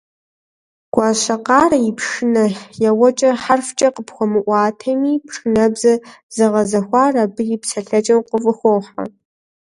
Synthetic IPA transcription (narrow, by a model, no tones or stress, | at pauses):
ɡ̥ʷaɕɐqɑːrɐipʰʂɨnɐjawɐt͡ʃʼɐħarft͡ʃʼɐqəpxʷɔmɨʔʷɑːtʰɐmiːpʰʂɨnɐbzɐz̥ɨʁɐzɐxʷɑːrabɨjɪpʰsʰɐɬɐt͡ʃʼɐwqʷʼəvɨxʷoːħa̰